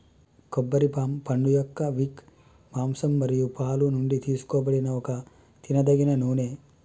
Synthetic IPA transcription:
kɔbːɐɾipaːmpɐɳɖujɔkːɐʋik | maːmsɐmbɐɾijupaːlunuɳɖit̪iːsu̥koːbɐɽinɐɔkɐ | t̪inɐd̪ɐɡinɐnuːne

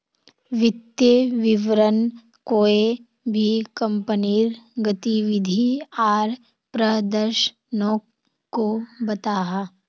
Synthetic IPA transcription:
ʋɪt̪jeʋɪʋɾən | koːe | bʱikɐ̃mpəniːɾɡət̪iʋɪd̪ʱiaːɾ | pɾəd̪əɾʃ | nɔ̃ː | kːobɐt̪aːɦa

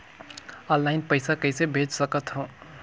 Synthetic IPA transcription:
ə̃nlːaɪnpəɪsakəɪsebʱed͡ʒsəkət̪ɦõ

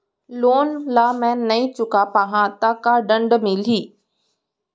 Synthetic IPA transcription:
loːnlaːmɛ̃ːnɐĩt͡ɕʊkapaːɦãt̪akaɖə̃ɳɖmɪliː

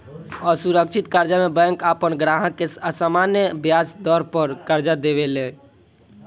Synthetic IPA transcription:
ɔːɾsuɾək̚t͡ʃʰɪt̪kaːɾd͡ʒamẽbɛ̃ŋkaːpənɡɾaːɦə̃keəsaːmaːnjəbjaːsd̪ɔːɾpəɾkəɾd͡ʒad̪eʋelẽː

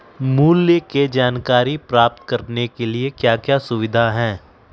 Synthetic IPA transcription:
muːljəked͡ʒaːnkaːɾipɾaːp̚t̪kɐɾnekeliekjaːkjaːsʊʋɪd̪ʱaɦɛ̃ː

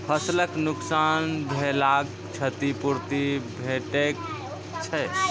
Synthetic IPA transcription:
pʰəsləknuksanbʱelaɡ | t͡ʃʰət̪ipuɾt̪ibʱeʈek̚ | t͡ʃʰəj

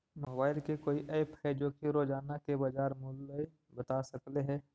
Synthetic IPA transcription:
moːbaːɪlkekoːiʔɐpʰhɛd͡ʒoːkiɾoːd͡ʒaːnakebɐd͡ʒaːɾmʊle | bət̪asəkleɦɛː

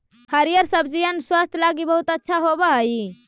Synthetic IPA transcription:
həɾijəɾsəbd͡ʒijənswast̪ʰlaɡibəɦut̪ətːʃʰaɦobəɦəj

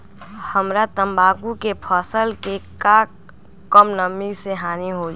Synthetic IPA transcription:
həmɾat̪əmbaːkukepʰɔːsəlkekaː | kəmnəmiseɦaːniɦo

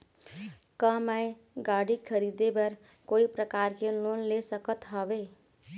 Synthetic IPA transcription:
kəmae | ɡaɽikʰəɾid̪ebəɾ | koipɾəkaɾkelonlesəkət̪ɦəbe

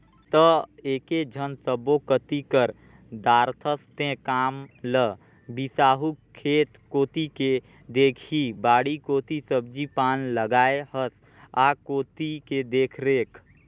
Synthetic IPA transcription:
t̪əeːked͡ʒʱənsəbokət̪ikəɾ | d̪aːɾt̪ʰəst̪ẽkaːmlə | bisaːɦukkʰːeːt̪koːt̪ike | d̪eːkʰibaːɽikoːt̪isəb̚d͡ʒipaːnləɡaːehəs | aːkoːt̪iked̪eːkʰɾeːkʰ

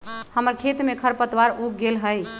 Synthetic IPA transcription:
həməɾkʰet̪mekʰəɾpət̪waɾuk̚ɡelɦəj

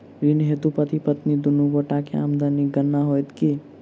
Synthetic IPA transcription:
ɾinɦeːt̪upət̪ipət̪nid̪ʊnuɡoʈakea̰md̪aniɡənːaɦojt̪ki

